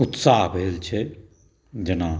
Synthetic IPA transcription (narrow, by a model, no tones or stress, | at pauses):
ʊt̪saːɦbʱelt͡ʃʰɛ | d͡ʒɐnaː